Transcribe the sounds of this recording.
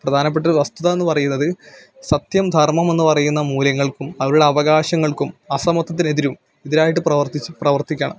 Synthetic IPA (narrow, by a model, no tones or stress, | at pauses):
prɐd̪ʱaːnɐp̬ːe̞ʈ̬ːɐʋɐst̪uðɐe̞nːɨpɐrɐjunːɐðɨ | sɐt̪jɐmd̪ʱɐrmɐme̞nːɨpɐrɐjunːɐmuːlɐŋːɐɭkumɐʋɐɾuɽe̞ɐʋɐɣaːɕɐŋːɐɭkumɐsɐmɐt̪ːɐt̪ːine̞ðiɾum | eðiɾaːjiʈːɨprɐʋɐrt̪it͡ɕːprɐʋɐrt̪ikʲːɐːɳɐ̰m